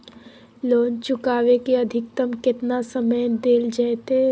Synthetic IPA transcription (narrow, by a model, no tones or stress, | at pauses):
loːnt͡ʃʊkaːʋekeɐd̪ʱɪk̚t̪əmkɪt̪nasəməjd̪eːld͡ʒaːet̪e